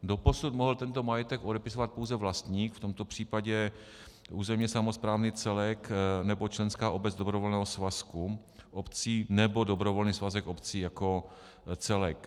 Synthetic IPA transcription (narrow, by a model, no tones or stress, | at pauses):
dopo̞sut̪moɦl̩t̪ɛnt̪o̞majɛt̪ɛkʔodɛpɪsovat̪̚po̞wzɛvlast̪ɲiːkft̪o̞mt̪opr̝̥iːpaɟɛ | ʔuːzɛmɲɛsamospɾaːvniːt͡sɛlɛknɛbo̞t͡ʃlɛnskaːʔobɛd͡zd̪obɾovolnɛːɦosvasku | ʔopt͡siːnɛbo̞dobɾovolniːsvazɛkʔopt͡siːjako | t͡sɛlɛk